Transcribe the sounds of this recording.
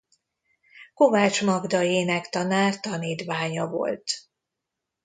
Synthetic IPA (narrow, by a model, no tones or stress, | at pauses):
ko̞vaːt͡ʃmɒɡd̪ɒeːnɛkt̪ɒnaːrt̪ɒniːt̪vaːɲɒvo̞̰lt̪